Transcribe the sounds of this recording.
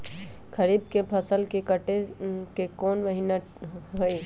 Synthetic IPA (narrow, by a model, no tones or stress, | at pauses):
kʰəɾiːb̚kepʰɐsəlkekəʈekekoːnʋəɦina | ɦoiː